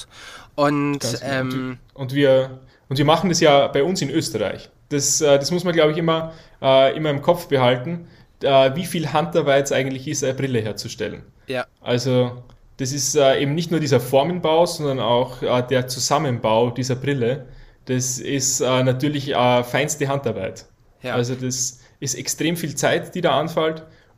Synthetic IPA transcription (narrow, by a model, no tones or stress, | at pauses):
ʔʊntaɛʔʊntv̥iːɐ | ʊntv̥iːɐmaχn̩dasjaːb̥aɪʊnsɪnʔøːstəʁa̰ɪç | d̥asɛːd̥asmʊsmɐnɡlaʊbəɪçɪmɐ | ʔɛːʔɪmɐɪmkʰɔp͡fb̥əhaltn̩ | ɛːviːfiːlɦantɐbaɪsʔaɪɡŋ̩tlɪçɪstaɪnəbʁɪləɦeːɐt͡suʃtɛ̰lə̰n | ʔa̰lzo | d̥as̬ɪstɛːʔeːbm̩nɪçtnuːɐdiːzɐfɔɐmənbaʊzɔndɐna̰ʊxɛːd̥eːɐt͡suzamənbaʊd̥iːzɐbʁɪləd̥asɪstɛːnatʰyːɐlɪçɛːfaɪnstəɦantaɐbaɪt | ʔalzod̥as | ɪstɛkstʁ̥eːmfiːlt͡saɪtd̥iːdaːanfalt